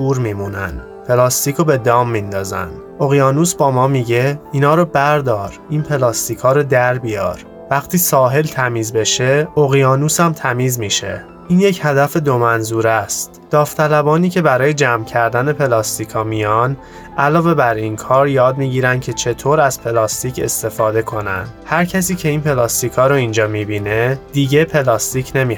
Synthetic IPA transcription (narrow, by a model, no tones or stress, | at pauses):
uːɾmimunæ̰nd̪ | pʰe̞lɒːst̪iːkʰobe̞d̪ɒːmːind̪ɒːzæ̰nd̪̥ | o̞ɣijɒːnusbɒːmɒːmiɟe̞iːnɒːɾobæɾd̪ɒːɾiːnpʰe̞lɒːst̪iːkʰɒːɾod̪æɾbijɒ̰ːɾ | væxt̪ʰiːsɒːɦe̞lt̪ʰæmiːzbe̞ʃe̞oɣijɒːnuːsæmt̪ʰæmiːzmiʃe̞̰ | ʔiːnjechæd̪æfe̞d̪omænzuːɾæst̪d̪̥ɒːft̪ʰælæbɒːniːcʰe̞bæɾɒːje̞d͡ʒæːmcʰæɾd̪æne̞pʰe̞lɒːst̪ikʰɒːmijɒn | ʔælɒːve̞bæɾinkʰɒːɾjɒːd̪miːɟiːɾænd̪cʰe̞t͡ʃʰe̞t̪ʰoːɾæz̥pʰe̞lɒːst̪iːcʰe̞̰st̪e̞fɒːd̪e̞kʰo̞næ̰nd̪̥hæɾcʰæsiːcʰe̞iːnpʰe̞lɒːst̪ikʰɒːɾoind͡ʒɒːmiːbiːne̞d̪̥iːɟe̞pʰe̞lɒːst̪icʰne̞miː